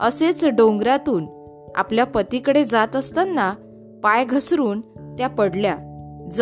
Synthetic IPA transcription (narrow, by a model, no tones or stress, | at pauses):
əset͡sɖõŋɡɾat̪uːn | a̰pljapət̪ikəɽed͡zat̪əst̪anːa | pajɡʱəsɾuːnt̪japəɽljad͡z